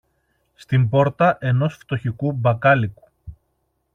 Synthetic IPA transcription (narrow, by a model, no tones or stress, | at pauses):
st̪imbo̞ɾt̪ɐʔe̞no̞sft̪o̞çikubɐkɐliku̥